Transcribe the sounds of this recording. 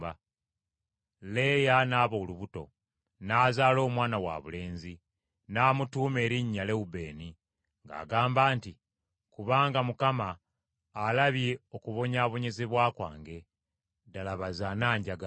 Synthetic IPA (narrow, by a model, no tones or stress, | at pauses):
a | le̞janaːβouluβuto̞̰ | naːzaːlo̞ːmwaːnawa̰βṵle̞ːnzi | naːmutuːme̞ːɾiɲːale̞ube̞ːni | ŋɡa̰ːɡaːmbaːnti | kuβaːŋɡamukamaː | laβjeokuβo̞ɲaːβo̞ɲe̞zeβwaːkwa̰ːŋɡe̞ | dalaβazanaːɲɟaɡa